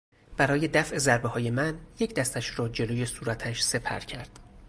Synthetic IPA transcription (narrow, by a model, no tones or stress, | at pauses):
b̥æɾɒːje̞d̪æfʔe̞zæɾbehɒːje̞mænje̞cʰd̪æst̪æʃɾɒːd͡ʒe̞loːje̞suːɾæt̪ʰæʃse̞pʰæ̰ɾcʰæɾd̪̥